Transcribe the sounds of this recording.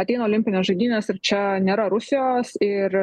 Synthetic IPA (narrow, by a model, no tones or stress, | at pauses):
ɐt̪ʲɛɪnoːlʲɪmʲpʲɪnʲeːsʒɐɪd̪ʲiːnʲeːsɪɾt͡ʃʲɛnʲeːɾɐɾʊsʲɪjoːsɪɾ